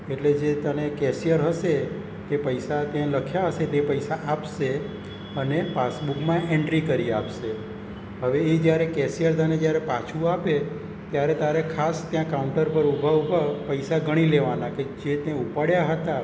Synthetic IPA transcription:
eʈled͡ʒet̪ənekɛsijəɾɦəʃe | t̪epəjsat̪jãləkʰjaɦəʃet̪epəjsaʔapʃe | ənepasbukmãʔeɳɖɾikəɾiapʃe | ɦəʋeːd͡ʒjaɾekɛsijəɾt̪əned͡ʒjaɾepat͡ʃʰũape | t̪jaɾet̪aɾekʰast̪jãkauɳʈəɾpəɾubʱaʋpapəjsaɡʱəɽ̃ileʋanaked͡ʒet̪jãupaɽjaɦət̪a

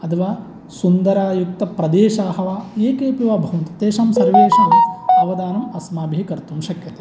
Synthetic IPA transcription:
ɐt̪ʰɐʋaː | sund̪ɐɾaːjuk̚t̪ɐpɾɐd̪eːʃaːɦɐʋaːeːkeːpiʋaːbʱɐʋɐnt̪ɐ̥t̪eːʃɐmsɐɾʋeːʂɐʋɐɐʋɐd̪aːnɐmɐsmaːbʱiɦikɐɾt̪umʃɐkjɐt̪e̥

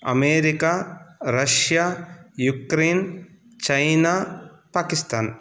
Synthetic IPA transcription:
ɐ̰meːɾikaɾɐʃjaːjukɾeːn | t͡ʃɐjnaː | paːkist̪aːn

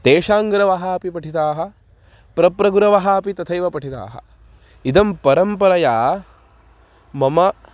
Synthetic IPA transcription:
t̪eːʃaːŋɡɾɐʋɐɦapipɐʈʰit̪aːɦɐ̆ | pɾɐpɾɐɡuɾɐʋɐɦaːpit̪ɐt̪ʰɐjʋɐpɐʈʰit̪a̰ːɦɐ̰ | id̪ɐmpɐɾɐmpɐɾɐjaː | mɐmɐ

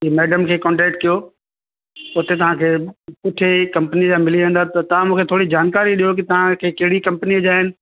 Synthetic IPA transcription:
imeːɖəmkʰeːkɔ̃ːɳʈɛːk̚ʈ̚kijo | ʊt̪et̪ɐʋ̤ãkʰeːpʊʈʰekɐ̃mpənid͡ʑaːmɪliʋẽːn̆d̪aːt̪ɐt̪ɐʋ̤ãmũːkʰet̪ʰoːɽid͡ʑaːnkaːɾiɗijok̬ɪt̪ɐʋ̤ãkʰeːkɐɦɪɽikɐ̃mpniɐd͡ʑaːɦɪnɪ̆

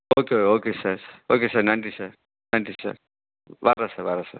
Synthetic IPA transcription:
oːkeokeoːkesɐɾsɾoːkesɐɾnajɳʈisɐɾ | naj̃ɳʈisa̰ɾ | ʋaːɾasɐʋaːɾasa̰ɾ

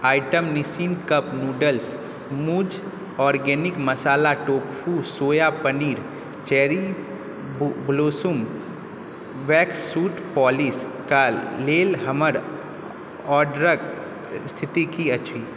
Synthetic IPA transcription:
aːɪʈəmnisiːnkəpnuːɖəls | muːd͡ʒ | ɔːɾɡɛːnɪkməsaːlaʈoːkfʰusoːjapəniːɾ | t͡ʃɛːɾi | bloːsum | ʋɛːksuːʈpɔːlis | kaleːlɦəməɾ | ɔːɖɾək | st̪ʰɪt̪ikiət͡ʃʰʋiː

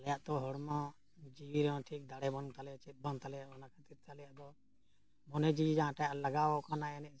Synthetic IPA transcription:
lɛjaʔt̪ɔɦɔɽmã | d͡ʒiiɾɔ̃ʈʰik̚d̪aɽɛbɔnt̪alɛt͡ʃɛt̪̚bɔnt̪alɛjaɔnakʰat̪iɾt̪alɛjaʔd̪ɔ | mɔnɛd͡ʒiid͡ʒããʈajaʔlaɡaɔkanaɛnɛʔ̚

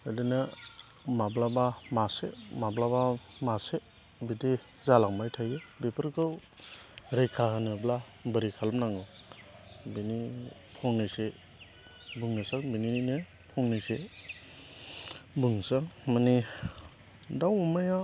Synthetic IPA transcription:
ajdɯna | mablabamasemablabamase | bidizalaŋbajtʰajebepʰɯɾkʰɯw | ɾejkʰaɦanɯbla | bəɾikʰalamnaŋɯw | bini | pʰɔŋnase | buŋnasaŋbininine | pʰɔŋnese | buŋsaŋmani | dawɔmaja

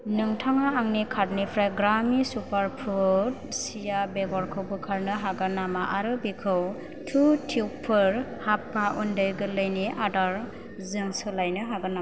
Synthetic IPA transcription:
nɯŋtʰaŋaːŋnikʰaɾ̚nipʰɾajɡɾamisupʰaɾpʰut̚sijabeɡɔɾkʰɯwbɯkʰaɾnɯɦaɡanamaʔaɾɯbikʰɯw | tʰutʰiwpʰɯɾhapːaʔundɯjɡɯlɯjniadaɾ | zɯŋsɯlajnɯɦaɡana

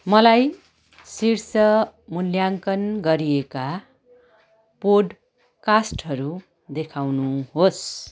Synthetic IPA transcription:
mʌlaj | sirsʌmuljaŋkʌnɡʌɾieka | poɖ | kasʈɦʌɾu | d̪ekʰawnuɦos

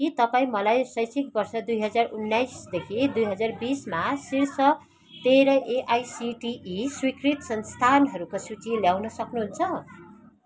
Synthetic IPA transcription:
kit̪ʌpaĩmʌlajsʌjsik̚bʌrsʌd̪ujɦʌd͡zarunːajsd̪ekʰid̪ujɦʌd͡zarbismasirsʌ | t̪eɾʌʔeʔajsiʈiiswikrit̪sʌnst̪ʰanɦʌɾukosut͡siljawnʌsʌknuɦunt͡sʰʌ

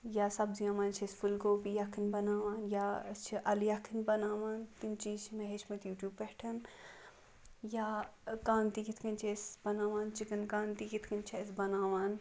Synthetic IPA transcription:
jaːsɐbziãːmaːnt͡ʃʰɐsfulkoːpijɐkʰːinbɐnaːʋaːnjat͡ʃʰiʔɐljɐkʰːinbɐnaːʋaːnt̪int͡ʃiːzt͡ʃʰmeɦeːt͡ʃmɐt̪juːʈjuːbpɛːʈʰɐn | jaːkãːnt̪iːkit̪ʰkɐnt͡ʃʰesbɐnaːʋaːnt͡ʃikɐnkaːnt̪iːkit̪ʰkɐnt͡ʃʰesbɐnaːʋaːn

